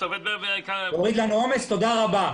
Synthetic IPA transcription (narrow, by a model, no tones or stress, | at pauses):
ovɛd̪̚bebekaoʁid̪lanuomest̪o̞d̪aʁaba